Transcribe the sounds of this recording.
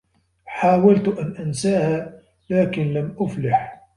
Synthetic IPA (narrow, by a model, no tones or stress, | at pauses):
ħaːwalt̪ʔanʔansaːhaː | laːkɪnlamʔʊflaħ